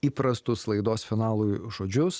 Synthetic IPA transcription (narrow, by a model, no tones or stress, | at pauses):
iːpɾɐst̪ʊslˠɐɪd̪oːsfʲɪnɑːlˠujʒoːd͡ʒʲʊs